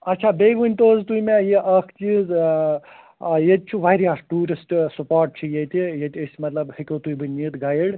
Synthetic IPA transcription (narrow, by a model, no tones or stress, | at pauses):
ɐt̪ːt͡ʃʰaːbeːɡʋunʲt̪oːzt̪uimejeʔɐkʰt͡ʃiːz | jet̪̚ʲt͡ʃʰuʋajɾjaːsʈuːɾisʈsupaːɾʈ̚t͡ʃʰijet̪ijet̪ʲɐsʲmɐt̪lɐbhikʲoːt̪ujbɨnʲːiːt̪ɡaːjɽ